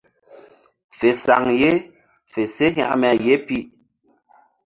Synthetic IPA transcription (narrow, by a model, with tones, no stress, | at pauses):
fe˨sa˨ŋje˦ | fe˨se˦ɦa̰˦˨ʔmɛ˨je˦pi˦˨ʔ